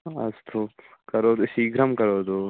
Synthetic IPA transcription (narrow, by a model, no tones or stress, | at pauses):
ɐ̰zt̪ʰokɐɾoːd̪usiːɡɾɐmkɐɾoːd̪oː